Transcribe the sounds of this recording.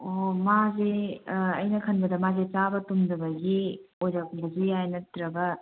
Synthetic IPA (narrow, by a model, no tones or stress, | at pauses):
omazeɐjnɐkʰɐnbɐdɐmazet͡ʃabɐtumdɐbɐɡiojzak̚bɐzijajnɐtɾɐbɐ